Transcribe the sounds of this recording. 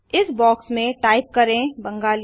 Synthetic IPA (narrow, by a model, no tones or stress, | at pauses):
ɪsbɔːksmẽʈaːɪp̚kɐɾẽbɐ̃ŋɡaːl